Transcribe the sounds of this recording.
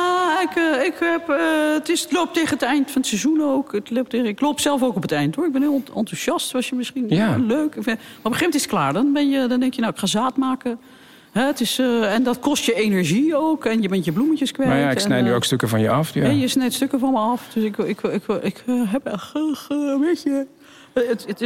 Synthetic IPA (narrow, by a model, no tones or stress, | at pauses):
aɪkəɪkɛpəətɪslop̚teːɣənətɛjntfɔnətsɛzunoːkətlop̚teːɣəɪkloːpsɛlˠfoːkɔpətɛjntoːɹɪɡ̚bɪnhɪːɔ̰ntuʃɑstʋɔsjəmɪsχinløːkfmaropəχeːmɛntɪsət̚klaːɹdɔnbɛnjədɔndɛŋkjənawɪkχaːzaːtmaːkə | ɦɛtɪsɛndɔtkɔstjəenəɹʒiowkɛnjəbɛntjəbluməcəskʋɛjaɪnɛjnyokstøkəvɔnjəɑfɛjəsnɛjtstøkəvɑnməɑfdøsɪkɪkɪkɪkɦɛpɛəəʋecə | ət